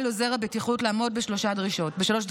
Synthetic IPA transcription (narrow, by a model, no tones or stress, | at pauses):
lozeʁabetiχutlaːmo̞d̚beʃloʃadʁiʃo̞tbeʃalo̞ʃd